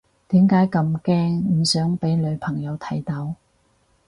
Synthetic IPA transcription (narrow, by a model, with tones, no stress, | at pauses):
t̪iː˨˥mkaː˨˥jkɐ˧mkɛː˥ŋm̩˨˩sœː˨˥ŋpe˨˥jlɵ˨˧ɥpʰɐ˨˩ŋjɐ˨˧wt̪ʰɐ˨˥jt̪ɐ˨˥w